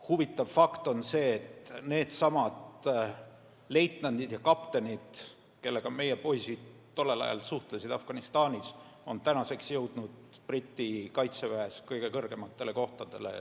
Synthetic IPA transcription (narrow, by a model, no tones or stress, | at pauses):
huvit̪ːˑɑvfɑkt̪o̞nse̞ːt̪ne̞ːd̪̥sɑmɑd̪ | le̞jt̪nɑnd̪̥id̪̥jɑkɑpt̪enʲid̪̥ | ke̞lːe̞ɡ̥ɑme̞je̞po̞jsid̪̥t̪ːo̞lːelɑ̰jɑ̰lsuht̪lesid̪ɑfɡ̥ɑnist̪ɑːnʲiso̞nt̪ænɑse̞ksjɤwd̪̥nud̪̥ | prit̪ʲːˑikɑjt̪sevæeskɤjɡ̥e̞kɤrɡ̥e̞mɑt̪ˑːe̞le̞ko̞ht̪ɑd̪̥e̞̰lḛ